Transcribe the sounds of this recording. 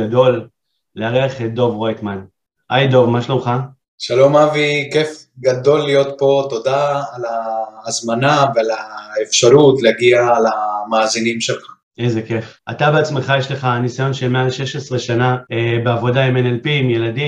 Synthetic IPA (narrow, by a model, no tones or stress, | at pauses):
ado̞lː | eaʁeaχedo̞vʁajt̪man | ʔajd̪o̞vmaʃlomχa | ʃalo̞mavikef | ɡad̪o̞lːijo̞t̪po̞t̪o̞d̪aːlaːzmanavealaefʃaʁutleaɡiaːlamaːzinimʃelχḁ | ejzeke̞f | a̰tabeat͡sme̞χajeʃle̞χaːnisajonʃemealʃe̞ʃe̞sʁe̞ʃanaebeavo̞daimenelpimje̞ladi